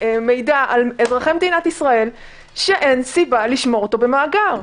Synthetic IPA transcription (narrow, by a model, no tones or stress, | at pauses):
me̞jdaalezʁaχemd̪inat̪isʁae̞l | ʃeʔe̞nsibaliʃmo̞ʁot̪o̞be̞maːɡaʁ